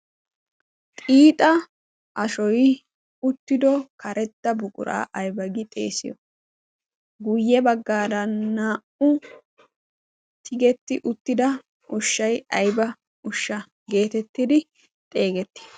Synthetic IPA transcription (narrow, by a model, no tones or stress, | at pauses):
t̪ʼiːt̪ʼɐ | ʔɐʃɔj | ʊt̪ːɪd̪ɔkʰɐɾɛt̪ːɐbʊkʼʊ̰ɾa̰ːʔɐjbɐɡɪt̪ʼe̞̰ːsɪ̰jɔ | ɡʊjːɛbɐɡːaːdɐnːaːʔʊ | t̪ʰɪɡɛt̪ːɪʔʊt̪ːɪd̪ɐ | ʊʃːɐjɐjbɐ | ʊʃːɐ | ɡe̞ːt̪ɛt̪ːɪd̪ɪ | t̪ʼe̞ːɡɛt̪ːɪ̥